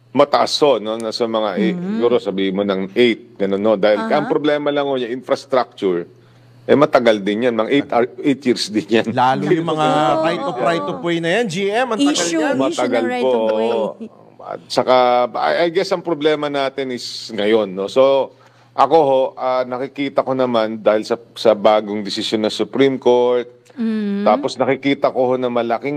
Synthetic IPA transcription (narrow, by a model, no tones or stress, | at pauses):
mɐt̪ɐʔasho̞nonɐsɐmɐŋa̰ʔsɪɡuːɾosɐbiːhɪmːo̞nɐŋʔɛjt̪̚ɡɐnonod̪aːhɪlkɐʔɐŋpɾoblɛːmɐlɐŋoɲaʔɪnfɾɐst̪ɾak̚t͡ʃʊɹ | ʔɛmɐt̪ɐɡald̪ɪnjanmɐŋaʔɛjt̪ʔɛjt̪jɪɾsd̪ɪnjanlaːlʊjʊmɐŋat̪ajt̪opɾajt̪opwɛjnɐjand͡ʒiʔɛmɐɐalmɐt̪ɐɡalkoʔoʔ | ɐ̰t̪̚t͡ʃɐkaɐ̰ʔɐɡɛsɐŋpɾoblɛːmɐnaːt̪ɪnɪsŋɐjo̞nːo̞so̞ | ʔɐko̞ɦo̞ʔanɐkɪkiːt̪ɐko̞nɐmand̪aːhɪlsɐsɐbaːɡoŋd̪ɪsɪsjonːɐsʊpɾimko̞ɹt̪̚ː | aːposnɐkɪkiːt̪ɐko̞ho̞nɐmɐlɐkɪŋ